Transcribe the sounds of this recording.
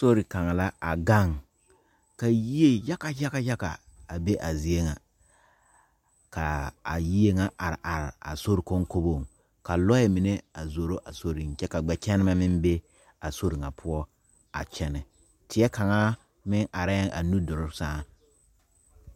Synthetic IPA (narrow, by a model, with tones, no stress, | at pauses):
so˦ɾi˨ka˨ŋa˨la˦a˨ɡa˦˨ŋ | ka˨ji˦e˦ja˦ka˦ja˦ka˦ja˦ka˨ | a˨be˦ʔa˨zi˨e˦ŋa˨ | ka˨a̰˨ji˦e˦ŋa˦ʔa˨ɾɪ̰˨ʔa˨ɾɪ˨a̰˨so˦ɾi˨ko˦ŋko˦bo˦˨ŋ | ka˨lɔ˦ɛ˨mi˨ne˦a˨zo˨ɾo˦ʔa˨so˦ɾi˨ŋt͡ʃɛ˦ka˨ɡ͡bɛ˨t͡ʃɛ˦nɪ˦ma˦mɪ˦m˦be˦ | a˨so˦ɾi˨ŋa˨pʰʊ˦ɔ˦ | a̰˨t͡ʃɛ˦nɪ˨ | tɪ˨ɛ˦ka˨ŋa˦ | mɪ˦ŋʔa˨ɾa˦ŋʔa̰˨nu˦dʊ˨ɾʊ˦saː˦